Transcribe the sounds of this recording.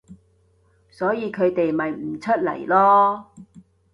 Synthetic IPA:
sɔː˨˥jiː˨˧kʰɵ˨˧ɥt̪e˨jmɐ˨jm̩˨˩t͡ʃʰɵ˥t̚lɐ̰˨˩jlɔː˥

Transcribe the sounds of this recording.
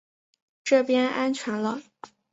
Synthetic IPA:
ʈ͡ʂɤ˥˩pjɛ˥nʔa˥nt͡ɕʰɥɛ˧˥nlə˦

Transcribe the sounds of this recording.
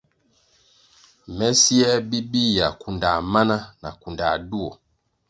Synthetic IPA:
mɛ˦si˦ɛ˦bi˦bi˦˨ja˨ku˨nda˨ma˦na˦na̰˨ku˨nda˨du˦ɔ˨

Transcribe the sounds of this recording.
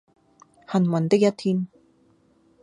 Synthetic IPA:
hɐ˨˩nwɐ˨˩nt̪ɪ˥k̚jɐ˥t̪ʰiː˥n

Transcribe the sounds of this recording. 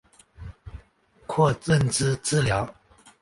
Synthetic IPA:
kʰwɔ˥˧˨t͡sə˥˨nʈ͡ʂ̩˥˧t͡sɹ̩˥˩ljɑ˨˦ʊ

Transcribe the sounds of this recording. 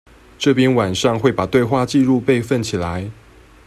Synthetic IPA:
ʈ͡ʂɤ˥˨pjɛ˦nwa˨˩nʂɑ˥˧ŋxwe˥˩ɪpa˨˩t̪we˥˧ɪxwa˥˨t͡ɕi˥˧ɻu˥˧pe˥˧ɪfə˥˨nt͡ɕʰi˨˩la˨˦ɪ

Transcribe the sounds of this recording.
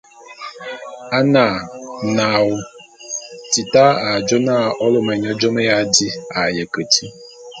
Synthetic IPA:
a˦na˨na˨wʊ˨ | ti˨ta˦a˨d͡ʒɔ˦na˦˨ʔɔ˦lʊ˦me˨ɲa˦d͡ʒɔ˦me˦ja˦di˦a˨je˨kə˨tʰi˦

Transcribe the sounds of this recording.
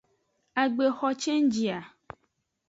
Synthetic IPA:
a˨ɡ͡be˨xɔ˨t͡ʃe˦ŋ̩˦d͡ʒi˨a˨

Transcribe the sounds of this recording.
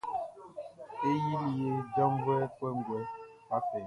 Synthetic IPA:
e˦ji˦lje˦də˦m˦bɛ˦pwɛ˦ŋ̩˨ɡwɛ˨ | a˦fɛ˨

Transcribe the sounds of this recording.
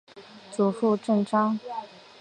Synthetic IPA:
t͡su˨˩ʂu˥˧ʈ͡ʂɤə˥˩ŋʈ͡ʂɑ˥ŋ

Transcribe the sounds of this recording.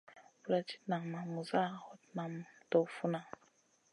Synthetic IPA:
bu˨ɾa˨ti̥˦na˨ŋma˨mu˨za˦˨hɔ˦t̚na˨mtɔ˨fu˦na˨

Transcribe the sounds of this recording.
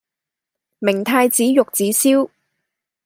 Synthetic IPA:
mɪ˨˩ŋt̪ʰaː˧jt͡siː˨˥jʊ˨k̚t͡siː˨˥siː˥w

